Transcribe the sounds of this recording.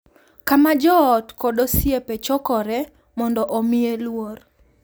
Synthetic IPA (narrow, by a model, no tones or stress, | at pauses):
kamad͡ʒɔːtkɔdosjepet͡ʃɔkɔɾɛ | mɔndɔʔomɪelwor